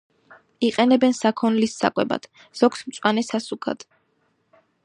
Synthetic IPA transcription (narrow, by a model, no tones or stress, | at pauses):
iqʼɛnɛbɛnsakʰɔnlisːa̰kʼwɛba̰d̪̥ | z̥ɔɡsmt̪sʼwanɛsasukʰa̰d̪̥